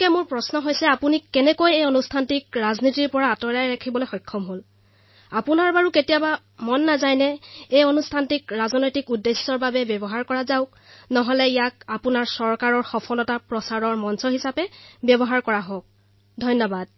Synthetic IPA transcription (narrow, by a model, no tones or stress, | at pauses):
ɛmʊɹpɹɔsnɔɦojsɛapunikːɛnɛkojejɔnustʰantikɹaznitiɹpɔɹaːtɔɹajɹakʰibɔlojxɔjkʰːɔmɦol | apunaɹbaɹuketijaba | mɔnːazajnɛejɔnustʰantikɹazɔnɔjtikudːesːɔɹbabɛbjɔbɔɦaɹkɔɹazaʊk | nɔɦɔlɛijak̚apunaɹsɔɹkaɹɔɹxɔpʰɔlɔtapɹɔsaɹɔɹmɔnsɔɦisapɛbjɔbɔɦaɹkɔɹaɦɔk̚ | dʱɔjnːɔbad̥̚